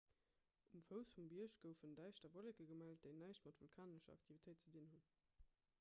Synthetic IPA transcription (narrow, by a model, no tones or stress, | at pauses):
umfəʊsfumbiəʃɡ̥əʊfəndæɪʃtɐvolekəɡəmælt̚deɪnæɪʃtmɑtvulkʰaːnəʃɐɑ̰k̚tʰivitʰəɪt̚t͡sədinhun